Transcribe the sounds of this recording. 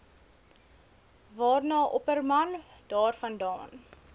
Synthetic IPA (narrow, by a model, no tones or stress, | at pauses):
vɑːrnɑːʔɔpərmɐnd̥ɑːrfɐndɑːn